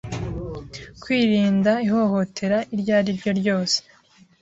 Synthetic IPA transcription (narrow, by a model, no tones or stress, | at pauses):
kwiːɾiːndaiɦo̞ho̞tʰe̞ɾaʔiɾɟaːɾiɾɟo̞ɾɟo̞ːse̥